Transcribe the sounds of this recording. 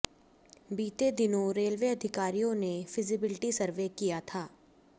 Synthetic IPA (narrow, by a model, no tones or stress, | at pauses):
biːt̪ed̪ɪnõɾeːlʋeːɐd̪ʱɪkaːɾijõnefɪzɪbɪlʈisɐɾʋekijat̪ʰaː